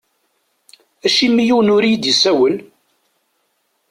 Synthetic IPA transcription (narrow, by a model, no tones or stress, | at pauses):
æʃimːijuwnʊɾijd̪jisæwəl